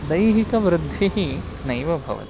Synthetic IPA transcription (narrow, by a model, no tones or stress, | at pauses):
d̪ɐjɦikɐʋɾɪd̪ʱːiɦi | nɐjʋɐbʱɐ̰ʋɐ̰t̪